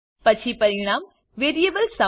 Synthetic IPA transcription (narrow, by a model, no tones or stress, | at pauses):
pɐt͡ʃʰipɐɾɪɽ̃aːm | ʋeːɾijeːbəlsɐ